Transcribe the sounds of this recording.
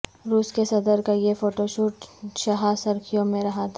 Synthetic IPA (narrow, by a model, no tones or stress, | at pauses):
ɾuːskesɐd̪əɾkajefoːʈoʃuːʈʃɐɦasɐɾkʰijõmẽɾɐɦat̪ʰa